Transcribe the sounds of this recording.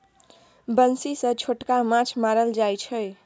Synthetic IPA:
bənsisə̃t͡ʃʰoʈkamãt͡ʃʰmaɾəld͡ʒajt͡ʃʰəj

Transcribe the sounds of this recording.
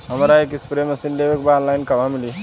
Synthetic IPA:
ɦəmɾaekispɾeməsinlebekbalajnkəbamili

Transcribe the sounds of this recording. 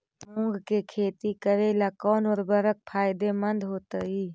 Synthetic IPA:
õːŋɡkekʰeːt̪ikəɾelakɔːnɔːɾbəɾək̚pʰaːɪd̪emənd̪ʱɦoːt̪əiː

